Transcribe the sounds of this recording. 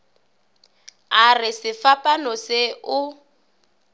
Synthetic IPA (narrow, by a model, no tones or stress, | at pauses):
arɪsɪfapʼanɔseʊ